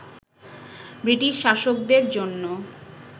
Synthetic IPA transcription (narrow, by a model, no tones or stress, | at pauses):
bɾiʈiʃʃaʃok̚d̪eɾd͡ʑonːo